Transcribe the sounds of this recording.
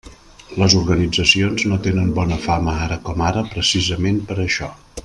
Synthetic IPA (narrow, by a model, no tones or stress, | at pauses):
ləzuɾɣənid͡zəsionznot̪enəmbɔnəfaməaɾəkɔmaɾəpɾəsizəmempəɾəʃɔ